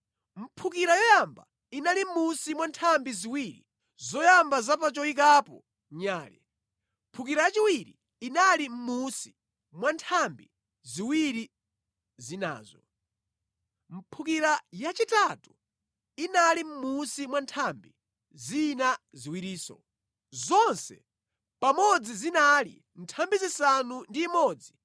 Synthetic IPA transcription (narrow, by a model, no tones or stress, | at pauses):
m̩pʰukiɾajɔjamba̰ | inalim̩musimwantʰambiziwiːɾḭ | zɔjambazapat͡ʃɔik̬apɔ̰ | ɲaːlɛ | m̩pʰukiɾajat͡ʃiwiɾḭː | nalim̩musi̥ | mwantʰambi | ziwiɾi | zina̰ːzɔ | m̩pʰukiɾajat͡ʃitatu | inalim̩musimwantʰambi | zina | ziwiɾiːsɔ̰ | zɔnsɛ̰ | pamɔd͡zizinalḭ | ntʰambizisanundiːmɔːd͡zi